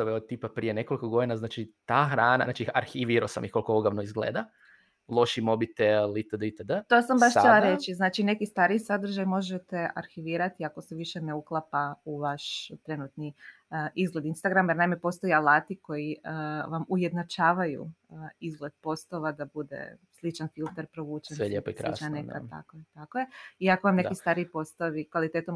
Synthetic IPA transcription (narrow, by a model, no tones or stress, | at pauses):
oʋeot̪ipapɾiːjenekolikoɡo̞d̪inaznaːt͡ʃit̪aːxɾaːna̰naːt͡ʃiaɾxiʋiɾosa̰miko̞lˠkooɡaʋnoizɡlḛːd̪a | lˠo̞ʃimo̞bit̪elit̪əd̪əit̪əd̪ət̪o̞sambaʃt͡ʃelˠaɾe̞t͡ʃiznaːt͡ʃine̞kist̪aːɾisad̪ɾ̩ʒajmo̞ʒet̪e̞ʔa̰ɾxiʋiːɾat̪iako̞seʋiʃe̞neuklˠapauʋaʃt̪ɾe̞nuːt̪ni | ʔizɡle̞d̪inst̪aɡɾamjeɾnajmepo̞st̪o̞jealˠaːt̪iko̞jiʋamuje̞d̪nat͡ʃaːʋajṵizɡled̪̚po̞st̪o̞ʋad̪abud̪ḛslit͡ʃanfilˠt̪eɾpɾoʋuːt͡ʃeneʎepskɾlḭt͡ʃanneka̰t̪a̰kojet̪akojeiakoʋamnekist̪aːɾiipo̞st̪oʋikʋalit̪eːt̪om